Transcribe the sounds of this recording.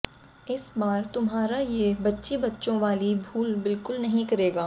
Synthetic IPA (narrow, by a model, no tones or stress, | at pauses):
ɪsbaːɾt̪ʊmɦaːɾajebɐtːʃibɐtːʃõʋaːlibʱuːlbɪlkʊlnɐɦĩkɐɾeːɡaː